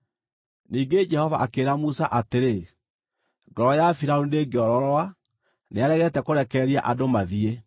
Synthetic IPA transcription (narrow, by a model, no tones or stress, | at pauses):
niːŋɡed͡ʒɛhɔvaʔakeɾamusaʔateɾe | ɡɔɾɔjafiɾaondeːɡeɔɾɔɾɔa | neaɾɛɣɛtɛkoɾɛkɛɾia̰ʔadomaðie